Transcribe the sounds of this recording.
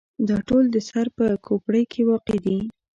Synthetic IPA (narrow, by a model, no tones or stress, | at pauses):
d̪ɑʈold̪əsaɾpəkʰopɽəjkʰewɑqed̪i